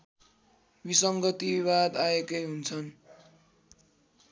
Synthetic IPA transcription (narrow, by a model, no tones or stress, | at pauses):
bisʌŋɡʌt̪iiβad̪aekʌjɦunt͡sʰʌn